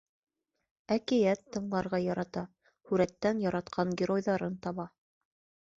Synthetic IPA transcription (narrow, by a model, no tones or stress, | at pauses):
ækijæt̪ːɤ̆ɴlˠɑɾʁɑjɑɾɑt̪ɑ | hʉɾæt̪ːænjɑɾɑt̪qʰɑŋɡʲɪɾojðɑɾɤnt̪ɑβɑ